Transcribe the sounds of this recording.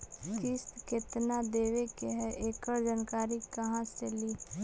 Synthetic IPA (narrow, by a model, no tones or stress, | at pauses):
kɪst̪ket̪nad̪eːʋekeɦɛʔeːkəɾd͡ʒaːnkaːɾikəɦãseliː